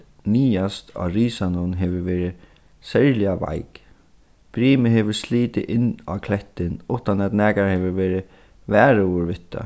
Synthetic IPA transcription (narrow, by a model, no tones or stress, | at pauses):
niːast̪ʰa̰ɾiːsanʊnɦɛʋɪveːɾɪ | sɛɾlɪava̰jk | b̥ɾiːmɪɦɛʋʏɾsliːt̪ɪʔɪnːa̰kʰlɛht̪ːɪnʊht̪anat̪nɛːkaɾhɛʋɪʋɛːɾɪ | væːɾɪʊɾʋɪt̪ːa̰